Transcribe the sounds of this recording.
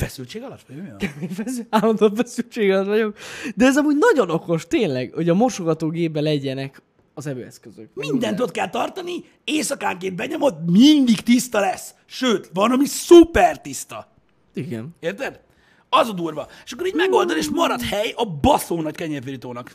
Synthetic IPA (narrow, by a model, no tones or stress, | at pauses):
fɛsylt͡ʃeːɡɒlɒt̪ʋɒokefɛsaːlːɒnd̪ofɛsylt͡ʃeːɡɒlɒt̪ʋɒɟo̞kd̪ɛɛzɒmuːɟnɒɟo̞no̞ko̞ʃt̪eːnlɛɡho̞ɟɒmorʃoɡɒt̪oːɡeːbbɛlɛɟɛnɛk | ɒzɛbø̰ːɛ̰skøzøkmind̪ɛnt̪ot̪̚kɛlt̪ɒrt̪ɒni | eːsɒka̰ːŋkeːbbɛɲo̞mo̞t̪mind̪iɡt̪ist̪ɒlɛs | ʃøːt̪vɒnɒmisupɛrt̪ist̪ɒ | iɡɛ̰neːrt̪ɛd̪ | ɒzɒd̪urvɒeːʃɒkːoɾiːɟmɛɡo̞ld̪oneːʃmɒɾɒdt̪hɛjɒbɒsoːnɒckɛɲɛrfiɾit̪oːnɒk